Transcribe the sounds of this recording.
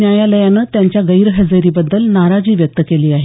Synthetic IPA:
jajaləjanəːt̪jaɲt͡ɕjaɡəiɾɦəd͡zeɾiːbəd̪ːəlnaɾad͡ʑiːʋjək̚t̪əkeliːaɦe

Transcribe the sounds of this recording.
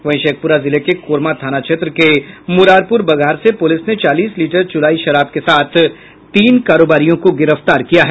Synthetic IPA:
ʋɐ̃ɪ̃ʃeːk̚pʊɾazɪlekekoːɾmat̪ʰaːnat͡ʃʰet̪ɾəkemʊɾaːɾpʊɾbɐɡʱaːɾsepʊlɪsnet͡ʃaːliːsliːʈəɾd͡ʒʊlaːiʃɐɾaːb̚kesaːt̪ʰ | t̪iːnkaːɾoːbaːɾijõkoɡɪɾəft̪aːɾkijaɦɛː

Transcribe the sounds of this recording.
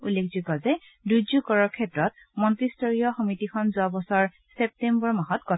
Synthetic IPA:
ulːekʰzukɔzɛ | duzukɔɹɔɹkʰɛtɹɔt̚ | mɔntɹistɔɹiɔxɔmitikʰɔnzʊabɔsɔɹ | sɛp̚tembɔɹmaɦɔtkɔ

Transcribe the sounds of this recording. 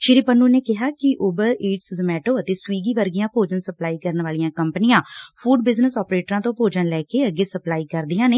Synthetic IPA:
ʃɪɾiːpənːuːneːkɪɦaːkɪʔoːbəɾeːʈszmɛːʈoːət̪eːswiːɡiːʋəɾɡɪjãːpoːd͡ʒənsəplaːiːkəɾənʋaːlijãːkəmpənɪjãːpʰuːɖbɪznəsɔːpɾeːʈɾãːt̪õːpoːd͡ʒənlɛːkeːəɡeːsəplaːiːkəɾd̪ijãːneː

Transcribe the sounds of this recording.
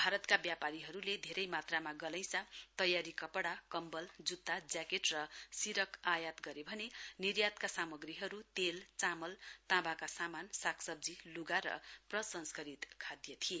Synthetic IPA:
bʱaɾʌt̪kabjapaɾiɦʌɾuled̪ʱeɾʌjmat̪ramaɡʌlʌj̃sat̪ʌjaɾikʌpɽakʌmbʌld͡zut̪ːad͡zakeʈrʌsiɾʌkʰajat̪ɡʌɾebʱʌnenirjat̪kasamʌɡriɦʌɾut̪elt͡samʌlt̪ãbakasamansakʰsʌb̚d͡ziluɡaɾʌ̰prʌsʌnskʌɾit̪kʰad̪jʌt̪ʰie

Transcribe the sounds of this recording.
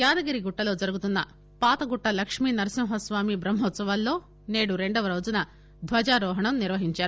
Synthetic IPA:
jaːd̪ɐɡɐɾiɡuʈːɐlo̞ːd͡ʒɐɾuɡut̪unːɐ | paːt̪ɐɡuʈːɐlɐkʂmiːnɐɾɐsimɦɐsʋaːmibɾɐmɦɔt̪sɐʋaːlːo̞ː | neːɽuɾe̞ɳɖɐʋɐɾoːd͡ʒunɐ | d̪ʱʋɐd͡ʒaːɾɔːɦɐɳɐmniɾʋɐɦiɲt͡ʃaːɾu

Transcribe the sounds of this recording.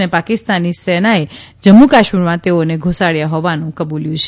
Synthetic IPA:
nepakist̪anːisenae | d͡ʒəmːukaʃmiɾmãt̪eoneɡʱusaɽjaɦɔʋanũkəbuljũt͡ʃʰ

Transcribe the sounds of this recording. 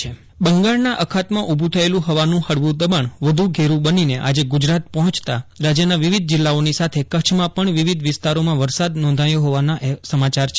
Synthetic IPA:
e | bəŋɡaɭnaʔəkʰat̪mãʔubʱũt̪ʰəelũɦəʋanũhəɽʋũd̪əbaɳʋəd̪ʱuɡʱeɾũbənineʔa̰d͡ʒeɡʊd͡ʒɾat̪̚pəɦɔ̃t͡ʃt̪aɾad͡ʒjənaʋiʋid̪̚ʱd͡ʒɪlːaonisat̪ʰekət͡ʃʰmãpəɳʋiʋid̪ʱʋɪst̪aɾomãʋəɾsad̪nɔ̃nd̪ʱajoɦoʋanaʔesəmat͡ʃaɾt͡ʃʰ

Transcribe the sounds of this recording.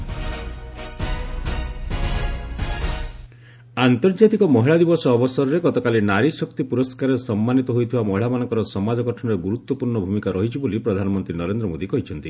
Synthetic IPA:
ant̪ɔɾd͡ʒat̪ikɔmɔɦiɭad̪ibɔsɔːbɔsɔɾɔɾeɡɔt̪ɔkalinaɾisɔkt̪ipuɾɔskaɾesɔmːanit̪ɔɦojt̪ʰiwamɔɦiɭamanɔ̃ŋkɔɾɔsɔmad͡ʒɔkɔʈʰɔɳɔɾeɡuɾut̪wɔpuɾɳɔbʱumikaɾɔɦit͡ʃʰibolipɾɔd̪ʱanɔmɔnt̪ɾinɔɾend̪ɾɔmod̪ikɔɦit͡ʃʰɔnt̪i

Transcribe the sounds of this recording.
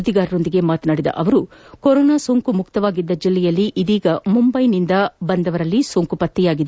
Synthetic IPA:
ud̪iɡaːɾɐɾo̞nd̪iɡe̞maːt̪ɐnaːɽid̪ɐ̰ʔɐʋɐɾukɔɾɔːnaːsoːŋkumukt̪ɐʋaːɡid̪ːɐd͡ʒilːɛjɐlːiʔid̪iːɡɐmumbɐjnind̪ɐbɐnd̪ɐʋɐɾɐlːisoːŋkupɐt̪ːijaːɡid̪e

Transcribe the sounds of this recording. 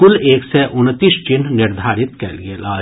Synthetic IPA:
ʊleːksɛʔʊnt̪iːsd͡ʒɪnnɪɾd̪ʱaːɾɪt̪kɛlɡeːlaː

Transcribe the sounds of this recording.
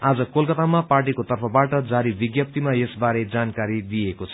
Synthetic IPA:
ad͡zʌkolkʌt̪amaparʈikot̪ʌrpʰʌbaʈʌd͡zaɾibiɡjʌp̚t̪imaesbaɾed͡zankaɾid̪ijekot͡sʰʌ̥

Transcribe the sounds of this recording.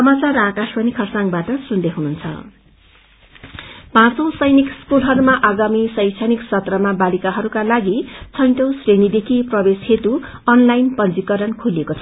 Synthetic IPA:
sʌmat͡saɾakaspʌnikʰʌrsãŋbaʈʌsund̪eɦununt͡sʰʌ̰ | pãt͡sʌ̃w̃sʌjnikskulɦʌɾumaʔaɡamisʌj̃t͡sʰaniksʌt̪rʌmabalikaɦʌɾukalaɡit͡sʰʌj̃ʈʌw̃srenid̪ekʰiprʌbeshet̪u | ʌnlajnpʌnd͡zikʌɾʌnkʰulekot͡sʰʌ

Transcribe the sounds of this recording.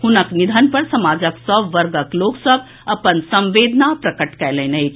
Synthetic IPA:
hunəknid̪ʱənpəɾsəmad͡ʒəksəbʋəɾɡəkloksəb̚ʱ | əpənsə̃mʋed̪ʱnapɾəkəʈkɛlənəjt͡ʃʰ

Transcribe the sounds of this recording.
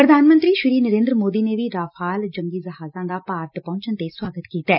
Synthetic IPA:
pɾəd̪ʱaːnmə̃nt̪ɾiːʃɪɾiːnəɾẽːnd̪ɾəmoːd̪iːneːʋiːɾaːfʰaːld͡ʒəŋɡiːzəɦaːzãːd̪aːpaːɾət̪pɔ̃ːt͡ʃənt̪eswaːɡət̪kiːt̪ɛː

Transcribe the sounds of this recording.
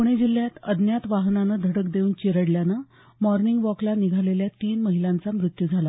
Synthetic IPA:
kuɽ̃ed͡ʑil̤ːjat̪əd̪ʱnjat̪ʋaɦnanəd̪ʱəɽəkd̪euːnt͡ɕeɾəɽljana | mɔɾniŋɡʋɔklaniɡʱaleljat̪iːnməɦilãnt͡samɾut̪jud͡zʱala

